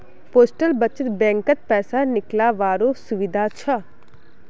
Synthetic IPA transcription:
poːsʈəlbət͡ʃət̪bɛ̃ːŋkət̪̚pɛːsanɪklaʋaːɾosʊʋɪd̪ʱat͡ʃʰa

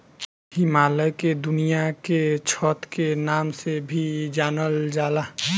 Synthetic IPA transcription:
himaːləked̪ʊnijaket͡ʃʰɔt̪kenaːmsebʱid͡ʒaːnəld͡ʒaːla

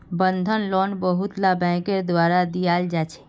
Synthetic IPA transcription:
bənd̪ʱənlɔnbəɦut̪labɛ̃keɾd̪waɾad̪ijald͡ʒat͡ʃʰɛ̥

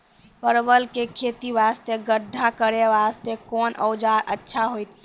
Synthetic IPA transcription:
pəɾbəlkekʰet̪iʋast̪eɡəɖʱːakəɾeʋast̪ekɔnʔə̰wd͡ʒaɾə̰tːʃʰaɦojt̪

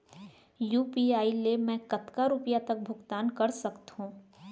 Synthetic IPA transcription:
juːpiaːilemɛ̃ːkɐt̪kaɾʊpjat̪ɐk̚bʱʊɡt̪aːnkɐɾsɐkt̪ɦũː

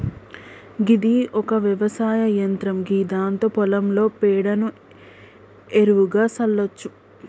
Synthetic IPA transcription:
ɡid̪iʔɔkɐʋjɛʋɐsaːjɐjɐnt̪ɾɐmɡiːd̪aːnt̪opɔlɐmlo̞ːpɛːɽɐnu | eɾuʋuɡaːsɐlːɐt͡ʃːu

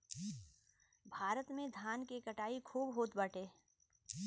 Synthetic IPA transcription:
bʱaːɾət̪mẽd̪ʱjaːnkekəʈaːikʰuːbɦoːt̪bɐʈʰeː

